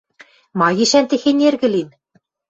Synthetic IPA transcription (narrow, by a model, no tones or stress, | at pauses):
mɑɣiʃænt̪ĕxenʲerɣɘ̆lin